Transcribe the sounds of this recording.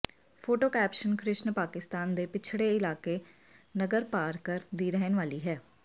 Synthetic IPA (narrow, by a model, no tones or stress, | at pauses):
pʰoːʈoːkɛːpʃənkɾɪʃnpaːkɪst̪aːnd̪eːpɪt͡ʃʰɽeːɪlaːkeː | nəɡəɾpaːɾkəɾd̪iːɾɛɦənʋaːliːɦɛː